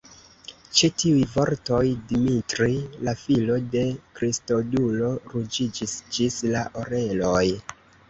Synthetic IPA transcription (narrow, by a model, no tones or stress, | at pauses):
t͡ʃetiujvo̞ɾto̞jdimitɾilafilo̞de̞kɾisto̞dulo̞ɾud͡ʒid͡ʒisd͡ʒislaʔoɾe̞lo̞j